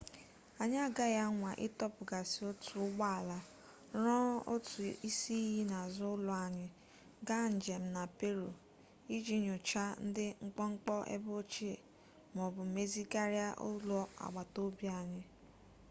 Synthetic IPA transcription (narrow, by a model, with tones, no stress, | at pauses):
a˨ɲɪ˦a˦ɡa˦ja˦ŋʷa˨ʔɪ˦tɔ˦pʊ˨ɡa˨sɪ˨o˦tu˨ʊ˦ɡ͡ba˦a˨la˨ | ɾɔ˦o̰˦tu˨i˦si˦i˦ɦi˦na˨zʊ˦ʊ˦lʊ˨a˨ɲɪ˦ | ɡa˦n̩˨d͡ʒe˨m̩˨˦na˨pe˦ɾo˨ | i˦d͡ʒi˦ɲʊ˨t͡ʃa˦n̩˦dɪ˦ŋ͡m̩˦k͡pɔ˦ŋ͡m̩˦k͡pɔ˦ʔḛ˦bo˦t͡ʃe˦e˨ | mɔ˨bʊ˨me˦zi˦ka˦ɾja˦ʔʊ̰˦lʊ˦a̰˨ɡ͡ba˨to˦bja˨ɲɪ˦